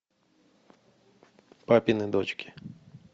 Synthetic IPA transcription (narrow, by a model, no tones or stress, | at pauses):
papʲɪnɨd̪ot͡ɕkʲɪ̥